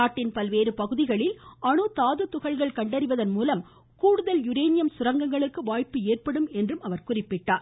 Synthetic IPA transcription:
aːʈːɪnpɐlʋeːɾɯpɐɣɯðɪɣɐɭɪlɐɳɯt̪aːðɯt̪ʊɣɐɭɣɐɭkɐɳɖɐɾɪʋɐðɐnmuːlɐm | kuːɽɯðɐljʊɾeːnɪjɐmsʊɾɐŋɡɐŋɡɐɭɯkːɯʋaːjpːɯeːrpɐɽɯmɛndrɯmɐʋɐɾkʊrɪpːɪʈːaːɾ

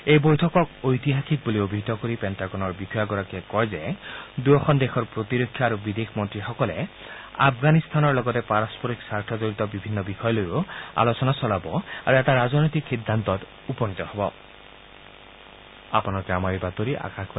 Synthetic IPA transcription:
ejbojtʰɔkɔkojt̪iɦaxʰik̚buliobʱit̪ɔkoɾipɛntaɡɔnɔɹbikʰɔjaɡɔɾakɛkɔjzed̪uɔxʰɔnd̪exʰɔɾpɾot̪iɾokʰːjɔaɾubid̪ekʰmɔnt̪ɾixɔkɔle | a̰pʰɡanist̪ʰanɔɹlɔɡɔt̪epaɾɔspɔɾiksaɾtʰɔd͡ʒɔɾit̪ɔbibʱinːɔbixɔjɔloɾua̰losɔnasɔlabɔa̰ɾuɛtaɾaznɔjt̪ikxid̪ʱːant̪ɔt̪ | upɔnit̪ɔhɔbɔ | apɔnaɾɔkamaɾibat̪oɾiʔa̰kakʰpa

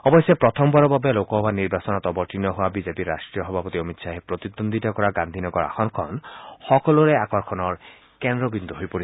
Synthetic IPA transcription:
ɔbɔjsjɔpɹɔt̪ʰɔmbɔɹɔbabelokɔɦɔbaniɹbasɔnɔt̪ɔbɔɹtinːɔɦowabizepiɾːa̰sʈɹijɔɦɔbʱapɔt̪iɔmit̪sʰaɦɛpɹot̪id̪ond̪ʱitakɔɹaɡand̪ʱinɔɡɔɹa̰xɔnkʰɔ̰nxɔkɔlɔɹɛakɔɹkʰɔnɔɹ | kɛndɾɔbind̪uɦojpoɾi

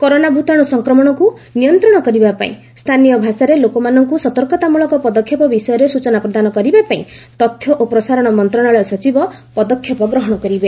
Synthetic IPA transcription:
koɾonabʱut̪ɔɽ̃ɔsɔŋkɾɔmɔɽ̃ɔku | nijɔnt̪ɾɔɽ̃ɔkɔɾibapa̰ḭ̃ | st̪ʰanijɔbʱasaɾelokɔmanɔŋkusɔt̪ɔɾkɔt̪amuɭɔkɔpɔd̪ɔkʰːjɔpɔbisɔjɔɾesut͡ʃɔnapɾɔd̪anɔkɔɾibapaḭ̃t̪ɔt̪ʰːjɔʔopɾɔsaɾɔɽ̃ɔmɔnt̪ɾɔɽ̃aɭɔsɔt͡ʃibɔpɔd̪ɔkʰːjɔpɔɡɾɔɦɔɽ̃ɔkɔɾibe

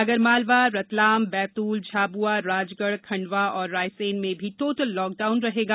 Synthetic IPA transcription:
ɐɡəɾmaːlʋaɾɐt̪laːmbɛːt̪uːld͡ʒʱaːbuaɾaːd͡ʒɡəɽkʰɐ̃ɳɖʋaɔːɾːaːjseːnmẽbʱiʈoːʈəlːɔːk̚ɖaːʊnɾɐɦeːɡaː

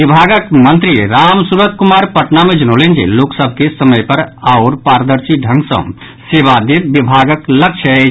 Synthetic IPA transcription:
ʋibʱaːɡəkmə̃nt̪ɾiɾaːmsuɾət̪kʊmaːɾpəʈnamẽd͡ʒɐnolend͡ʒḛloːksəbʱkesəməjpɐɾaʊɾpaːɾəd̪əɾsiɖʱə̃ŋɡsə̰̃m | seːʋad̪eʋibʱaːɡəkləkʃʰəɦe

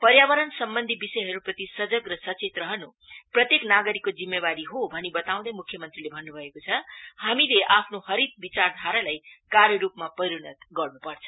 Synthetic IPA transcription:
pʌɾjabʌɾʌnsʌmbʌnd̪ʱibisʌjɦʌɾuprʌt̪isʌd͡zʌɡrʌsʌt͡set̪rʌɦʌnu | prʌt̪jeknaɡʌɾikːod͡zimːebaɾiɦobʱʌnibʌt̪aw̃d̪ʌmukʰjʌmʌnt̪rilebʱʌnːubʱʌekot͡sʰʌhamileʔapʰnohʌɾit̪̚bit͡sard̪ʱaɾalajkarjʌɾupmapʌjɾunʌt̪ɡʌrnupʌrt͡sʰʌ̥

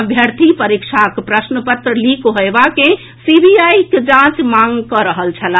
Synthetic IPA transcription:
əbʱjəɾt̪ʰipəɾikʃʰakpɾəsnəpət̪ɾəlikoɦoebakẽ | sibijaiked͡ʒãt͡ʃmaŋɡkəɾəɦəlt͡ʃʰəla

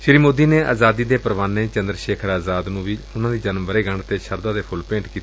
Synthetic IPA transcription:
ʃɪɾiːmoːd̪iːneːʔa̰ːzaːd̪iːd̪eːpəɾʋaːnːeːt͡ʃə̃nd̪ɾʃeːkʰəɾaːzaːd̪nũːʋiːʊnãːd̪iːd͡ʒənmʋəɾeːɡəɳt̪eːʃəɾd̪aːd̪eːpʰʊlpẽːɳʈkiːt̪ː

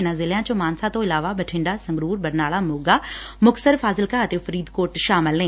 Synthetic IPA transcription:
nãːzɪljãːt͡ʃə̃maːnsãːt̪õːɪlaːʋaːbəʈʰɪ̃ɳɖaːsə̃ŋɡɾuːɾbəɾnaːlaːmoːɡaːmʊksəɾfʰaːzɪlkaːt̪eːfəɾiːd̪koːʈʃaːməlnẽː

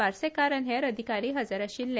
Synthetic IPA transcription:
aɾsekaɾənɦeɾəd̪ʱikaɾiːɦəd͡zaɾaɕiːlːe

